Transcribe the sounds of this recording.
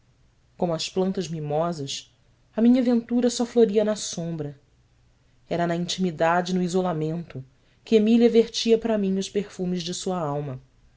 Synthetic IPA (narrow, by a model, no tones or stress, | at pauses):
kõmʊɐsplɐ̃nt̪ɐzmimɔzɐs | ɐmĩɲɐvẽnt̪uɾɐsɔfloɾiɐnɐsõmbɾɐ | ɛɾɐnɐĩnt͡ʃimid̪ad͡ʒɪnʊizolamẽnt̪ʊ | kɪemiliɐveɾt͡ʃiɐpɾɐmĩŋʊspeɾfũmɪzd͡ʒɪsuɐawmɐ